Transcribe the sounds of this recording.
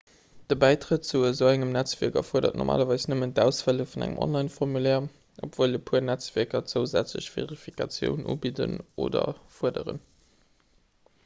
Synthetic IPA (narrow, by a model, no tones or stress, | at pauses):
d̥əbæɪtʁət̚t͡suəzoʊæŋəmnæt͡sv̥iɐkɐfuɐdɐtnʔɔ̰ʁmʔa̰ːlɐvɑɪsnəməntæʊsfæləfunæ̰ŋə̰mɔ̰nlɑɪnfɔʁmulɛː | ʔopv̥oːləpʰuːɐnæt͡sv̥iɐkɐt͡səʊzæ̰t͡sləɕv̥ḛʁifikɑt͡sjə̰ʊnʔṵːbidəno̰ːdɐ̰fuədəʁən